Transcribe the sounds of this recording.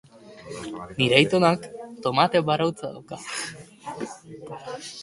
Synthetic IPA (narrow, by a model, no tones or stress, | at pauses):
niɾejt̪onakt̪o̞mat̪ebaɾawt͡saða̰wka